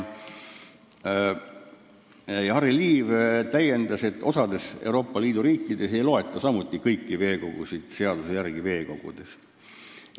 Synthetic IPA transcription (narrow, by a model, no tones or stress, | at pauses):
jhɑɾiliːvt̪æje̞nd̪̥ɑse̞t̪ːˑo̞sɑd̪e̞sḛuwɾo̞ːpˑːɑliːd̪̥uɾiːkːˑid̪̥e̞se̞jlo̞et̪ːˑɑsɑmut̪ˑːikɤjkːˑive̞ːko̞ɡ̥usid̪̥seɑd̪̥usejærɡ̥ive̞ːko̞ɡ̥ṵd̪̥e̞s